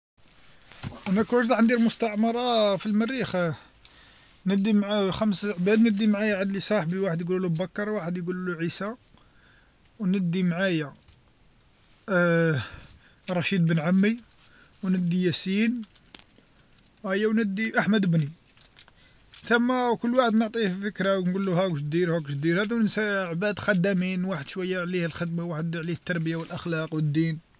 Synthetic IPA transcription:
ʔænækuʒd̪ɑʕənd̪ilmʊst̪ɑʕmɑɾˤɑfilmərːix | nəd̪ːimʕxæmsʕbæd̪nəd̪ːimʕajæʕəd̪lisˤɑħbiwaħəd̪jɡululubækːɑɾˤwaħəd̪jɡulluʕisa | wnəd̪ːimʕajæ | ɾˤɑʃid̪bənʕamːi | wnəd̪ːijæsin | hæjːæwnəd̪ːiʔaħməd̪əbni | θəmːækʊlːwaħəd̪nəʕt̪ˤifəkɾawnɡulːuhækʃ̚d̪iɾhækʃ̚d̪iɾhæd̪æwənsæʕbæd̪xɑd̪æminwaħəd̪̥ʃwæjːaʕlihəlxəd̪mawaħəd̪ʕlihət̪ːɑɾˤbəjawəlʔəxlɑqwəd̪ːin

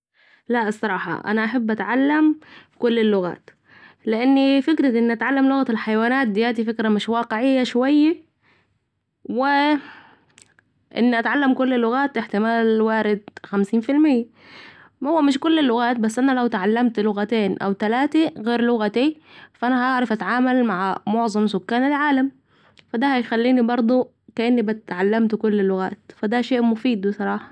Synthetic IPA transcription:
laɑsˤːɑɾˤɑːħɑ̰ʔa̰naʔaħabːʔat̪ʕalːamkʊlːɪlːʊɣa̰ːt̪ | lɪʔanːifɪkɾaʔɪnːiʔat̪ʕalːamlʊɣat̪ɪlħajwaːnaːt̪̚d̪ɪjaːt̪̬ifɪkɾamɪʃwɑːqɪʕɪjːaʃwajːa | wɪ | ʔɪ̰nːiʔat̪ʕalːamkʊlːɪlːʊɣaːt̪ʔɪħt̪ɪmaːlwaːɾɪd̪xamsiːnfɪlmɪjːa | mahʊwːæmɪʃkʊlːɪlːʊɣaːt̪̚basːʔanalawt̪ʕalːamt̪lʊɣat̪eːnʔa̰wt̪alaːt̪iɣeːɾlʊɣat̪i | faʔanahʔɑʕɾˤɑfʔat̪ʕaːmalmaʕmʊʕzˤɑmsʊkːaːnalʕaːlam | fad̪ahajxalːiːnibɑɾˤd̪ˤo | kaʔɪnːibɪt̪ʕalːamt̪kʊlːɪlːʊɣaːt̪fad̪aʃeːʔmʊfiːd̪wɪsˤɑɾˤɑːħɑ

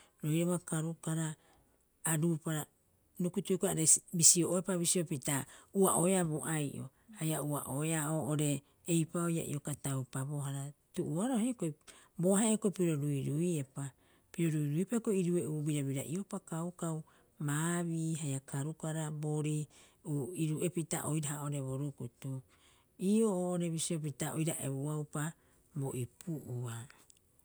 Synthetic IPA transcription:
ɾojɾoβakaɾukaɾaː | ɾupaɾa | nukutukaɾebisioʔoepaβisio̞pitauaʔoeaβoʔajʔo̰ | hajauaʔoeaoːʔoɾe̞ː | jpaoja̰ʔḭo̞katawpabo̞ɦaɾatuʔuaɾohekoj | bo̞haekojpiɾo̞ɾuiɾuiepa | piɾo̞ɾuiɾuiepakoiɾueʔubiɾaβiɾa̰ʔio̞pakawkaw | maːβiːɦajakʰaɾukaɾaboɾi | uiɾuʔe̞pita̰ʔojɾaɦao̞ɾe̞βoɾukutu | iːooːʔoɾe̞βisiop̬itaʔo̰jɾaʔe̞̰βuawpa | boʔipʰuʔua

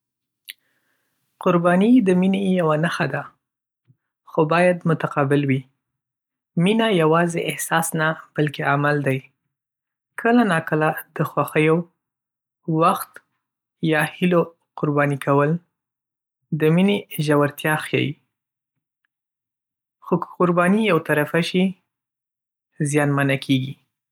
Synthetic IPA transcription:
qʊɾbɑnid̪əminejawanaxad̪a | xobɑjad̪mʊt̪aqɑbɪlwi | minajawɑzeʔɪhsɑsnab̥alkeamald̪aj | kʰəlanɑkəlad̪əxwaxəjo | waxt̪ | jɑhilo | qʊɾbɑnikʰawəl | d̪əmineʒawaɾt̪jɑxjɑ̰ji | xokqʊɾbɑnijawt̪aɾafaʃi | zjɑnmanakʰeɡi

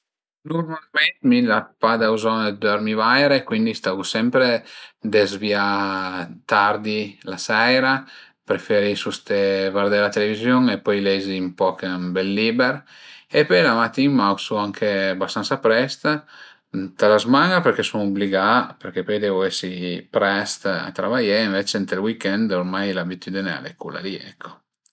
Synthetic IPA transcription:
nurmalmɛnt̪milapad̪auzɔned̪aɾmivajɾekwind̪ist̪avusɛmpɾed̪ezvia | t̪aɾd̪ilasɛjɾa | pɾefɛɾisust̪evaɾd̪ɛɾlat̪elevizjoŋepɔjlɛziːmpɔkmbɛlːibeɾ | epɔjlamat̪ːimawsuaŋkʰebast̪ansapɾɛst̪ | t̪alazmaŋɡapeɾkesuŋubliɡapeɾkepɔjd̪ɛvoɛsipɾɛst̪a̰t̪ɾavajeːɱvet͡ʃent̪elwikɛnd̪oɾmajlabit̪ʰyd̪inea̰lḛkula̰liɛ̰kʰːo̥

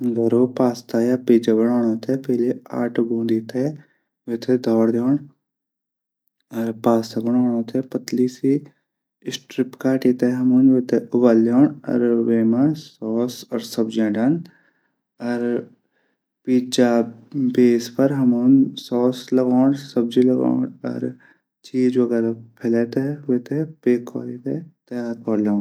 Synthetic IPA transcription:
ɡəɾoːpaːst̪aːjaːpiːd͡ʒabəɽaːɳ̃õːt̪ʰeːpeːlea̰ːʈɡõːnd̪iːt̪ʰeː | ʋet̪ʰed̪ʱɔːɾd̪joːɳ | ɐɾpaːst̪aːbəɳ̃oːɳõːt̪ʰeːpət̪liːsi | sʈɾɪpkaːʈiːt̪eːɦɐmuːnʋet̪ʰeʔʊbaːlːjoːɳɐ̰ɾʋeːmasɔːsɔɾsɐbd͡ʒẽːɖɐn | ɐɾ | piːt͡ʃaːbeːspɐɾɦɐmoːnsɔːslɐɡoːɳsɐbd͡ʒilɐɡa̰ːɳɐ̰ɾ | t͡ʃiːd͡ʒʋɐɡɛːɾapʰeleːt̪eʋeːt̪epeːkːɔ̰ːɾiːt̪et̪ɐjaːɾkɔːɾlõːɳ

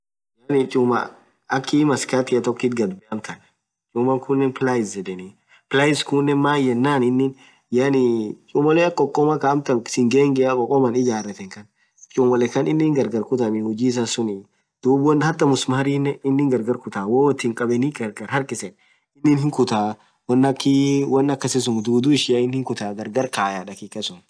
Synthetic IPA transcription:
janɪt͡ʃʼʊmɐ̰ | ɐkːimɐskat̪ɪɐt̪ɔkːiːt̪ɡɐd̪bɛʔɐmt̪ʰɐn | t͡ʃʼʊmɐkʰʊnːɛnplajɪsd͡ʒɛd̪ɛni | pɪlaːjɪskunːɛnmaːjɛnːaːnɪnːɪn | janɪt͡ʃʼʊmɐleɐkːɔkʼːɔmɐkaːmt̪ɐnsɪŋɡeːŋɡɛakʼɔkʼːɔmɐnɪd͡ʒaːrɛt̪ɛŋkɐn | t͡ʃʼʊmɐlɛkɐnɪnːɪŋɡɐɾɡɐɾkʊt̪ɐmɪhɔd͡ʒiːs̬ɐsʊnɪ | d̪̥uːbwɔnhɐt̪ːɐmʊsmɐhɐɾiːnːɛɪnːɪŋɡɐɾɡɐɾkʊt̪aːwɔːwɔt̪ːiŋkʼɐbɛniɡɐɾɡɐɾhɐɾkʼɪsɛn | ɪnːɪnhɪŋkʊt̪aː | wɐnːɐkːiwɐnːɐkːɐsɪs̬ʊŋd̪uːd̪uːɪʃɪjaɪnhɪŋkʊt̪aːɡɐɾɡɐɾkaːjaːᶑɐkɪkːɐsʊn

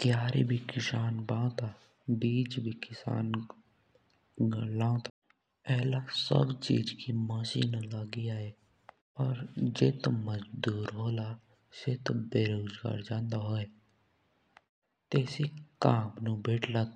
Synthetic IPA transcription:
kjaːɾebʱikɪsaːnbãːõt̪a | biːd͡ʒbʱikɪsa̰ːn | ɡlãːõt̪a | ɛːlasə̰bt͡ʃḭːd͡ʒkiməsḭnələɡiaːe | ɔːɾd͡ʒeːt̪oməd͡ʒd̪uːɾɦoːla | set̪obeːɾoːzɡa̰ːɾd͡ʒãːnd̪aɦoːe | t̪eːsikaːmnũbeːʈʰləɡ

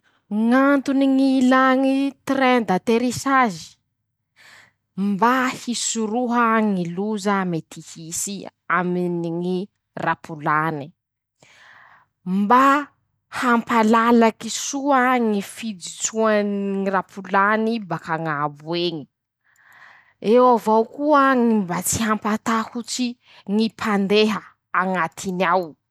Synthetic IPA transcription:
ŋant̪uniŋilaŋit̪rɛnd̪at̪eɾisazi̥ | mbahisuɾuɦəŋiluzamet̪ʰihisiaminiŋi | rapulani | mba | hampalalakisuəŋifid͡zit͡suanŋirapʰulanibakaŋabueŋi̥ | ewavawkuəŋimbat͡siɦampat̪ahut͡si | ŋipʰand̪eɦə | aŋat̪ʰinaw

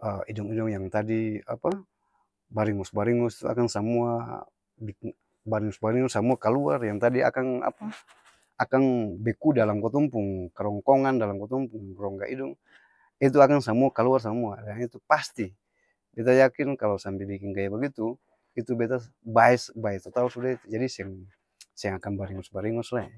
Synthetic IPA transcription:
əidɔŋidɔŋjaŋt̪adia̰pa | baɾiŋɔsbaɾiŋɔsi̥t̪ua̰kansamua | bi | baɾiŋɔsbaɾiŋɔsamuakalua̰rjaŋt̪adia̰kana̰pa | akanbɛkudalamkɔt̪ɔmpuŋkaɾɔŋkɔŋandalamkɔt̪ɔmpuŋrɔŋɡa̰ʔidɔŋ | it̪̬uakansamuakaluars̬amuadaŋit̪upast̪i | bɛt̪̬ajakinkalɔsampɛbikinkajabaɡit̪u | it̪ubɛt̪a | baɛsbaɛt̪ɔt̪alsudait̪ud͡ʒadisɛaŋ | sɛaŋakanbaɾiŋɔsbaɾiŋɔslaɛ

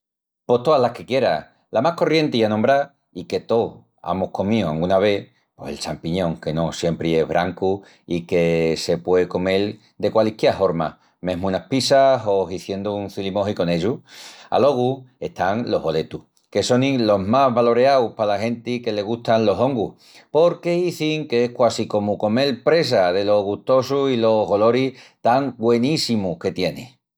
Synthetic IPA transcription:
po̞t̪o̞aɦlahke̞kje̞ɾa | lamahko̞rje̞nt̪iianõmbɾa | ike̞t̪o̞ | a̰mohko̞mioaŋunaβ̞e̞ | po̞selt͡ʃampiɲõ̞ŋke̞no̞sje̞mpɾie̞ɦβɾʔaŋku | ike̞se̞pwe̞ko̞me̞l | d̪e̞kwalihkjeafo̞ɾma̰ | mẽ̞ɦmuunahpisaɦo̞ɦiθje̞nd̪ouŋθilimo̞ɦiko̞ne̞ʎua̰lo̞ɣ̞ue̞ht̪aŋlo̞̰ɦβo̞le̞t̪u | keso̞nĩlo̞ɦmaɦβalo̞ɾeawpalahe̞nt̪ike̞le̞ɣ̞uht̪anlo̞so̞ŋɡu | po̞ɾke̞iθiŋke̞ehkwasiko̞muko̞me̞lpɾe̞s̬aðe̞lo̞ɣuht̪o̞suilo̞ɣo̞lo̞ɾiht̪aŋbwe̞nisimuke̞t̪je̞nḛ̃

